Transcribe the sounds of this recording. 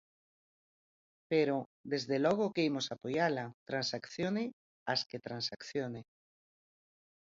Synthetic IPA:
peɾod̪ezðelɔɣ̞okeimosapojalat̪ɾansakθjonɪ | asket̪ɾansakθjone

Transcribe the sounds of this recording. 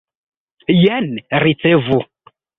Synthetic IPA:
janɾit͡sevu

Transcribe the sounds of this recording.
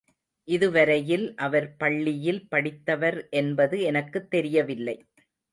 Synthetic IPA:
ʔɪðɯʋɐɾɐjɪlʔɐʋɐɾpɐɭːɪjɪlpɐɽɪt̪ːɐʋɐɾʔɛnbɐðɯɛnɐkːɯt̪ːɛɾɪjɐʋɪlːɐɪ

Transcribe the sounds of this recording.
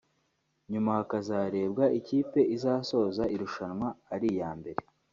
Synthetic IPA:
ɲumahakazaːɾe̞ːb̚ɡaʔiciːpe̞ʔizaːso̞ːzaʔiɾuʃanwaːɾijaːmbe̞ɾe̞

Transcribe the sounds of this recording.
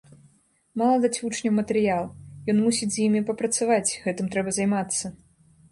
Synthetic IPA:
malˠɐd̪at͡sʲvut͡ʂnʲɐwmɐt̪ɛɾɨjalˠjɔnmusʲid͡zʲzʲjimʲipɐpɾɐt̪savat͡sʲɣɛt̪ɨmt̪ɾɛbɐzajmat̪sːɐ

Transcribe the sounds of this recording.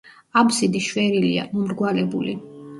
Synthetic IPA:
absid̪iʃwɛɾilḭa̰mɔmɾɡwalɛbṵli

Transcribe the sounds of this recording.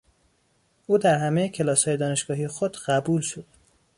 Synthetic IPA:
ʔuːd̪æɾhæmejecʰe̞lɒːshɒːjed̪ɒːneʃɡ̥ɒːɦiexod̪ɢæbuːlʃod̪̥

